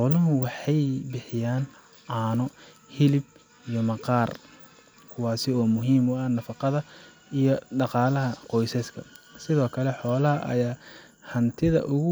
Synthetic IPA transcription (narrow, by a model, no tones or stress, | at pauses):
ħɔːlɐɦʊwɑħɑjbɪħɪjaːn | ʔaːnɔ | hɪlɪb̚ | ijɔmɑqɑːr | kʰʊwɑːsɪɔːmʊɦiːmʊɐnɐfɑqɑðɐ | ijɔɖɑqɑːlɐɦɐqɔjsɛskʰɐ | sɪðɔːkʰɐlɛħɔːlɐɦɐʔɐ̰jaː | hɐnt̪ʰɪðɐ̰ʔʊɣʊ